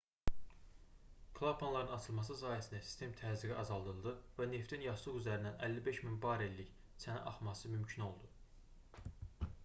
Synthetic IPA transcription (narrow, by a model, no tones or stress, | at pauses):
kʰlˠapʰonlˠɑɾɯnɑt͡ʃʰɯlˠmɑs̬ɯs̬ɑːjæsind̪æsi̥st̪ʰe̞mt̪ʰæːziɡiʔɑzɑlˠd̪ɯlˠd̪ɯvæne̞ft̪ʰinjɑʃlˠɯɣyzæɾind̪ænʔælːibe̞ʃminbɑɾelːiç | t͡sʰænæ̰ʔɑχmɑsɯmymcʰino̞lˠd̪u